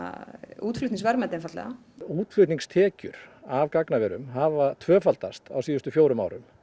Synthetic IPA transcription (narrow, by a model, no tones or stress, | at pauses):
a̰uːt̪flʏht̪iŋsvɛɾmɛt̪ɪnfat̪lɛ̰ɣa̰ | uːt̪flʏht̪niŋst̪ʰɛːcʏ̰ɾ̥avkaknavɛːɾʏmɦaːvat̪ʰvœːfalt̪ast̪a̰wsiːðʏst̪ʏfjoːwɾʏma̰wɾʏm